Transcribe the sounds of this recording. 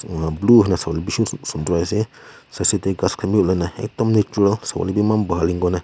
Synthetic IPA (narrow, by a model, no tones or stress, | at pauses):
bluɦinasawalibiusund̪ɾajsesaset̪eɡaskʰamiolanaa̰t̪ɔmnet͡ʃuɾalsa̰wa̰libimambaɦaliŋɡɔna